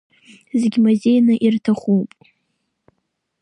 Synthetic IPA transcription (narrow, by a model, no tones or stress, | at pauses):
zeɡʲimuze̞jnɨʔirtʰaχʷupʼ